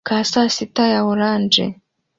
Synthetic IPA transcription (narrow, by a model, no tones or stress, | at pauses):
kasasitajawuɾaːnd͡ʒɛ̰